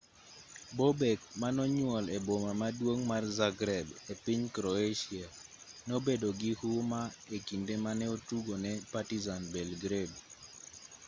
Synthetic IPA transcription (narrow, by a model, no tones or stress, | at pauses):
bobɛk̚manɔɲwɔlebomamadwoŋmarzaɡɾɛbepiɲkɾɔeʃia | nobedoɡɪhumaekindemanɛotuɡonɛpatizanbɛlɡɾeb